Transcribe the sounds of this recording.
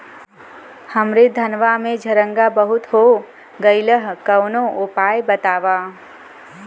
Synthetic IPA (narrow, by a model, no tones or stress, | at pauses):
həmɾed̪ʱənʋamẽd͡ʒʱəɾə̃ŋɡabəɦʊt̪ɦo | ɡəɪləɦkəwnõʔopaːjbət̪aːʋa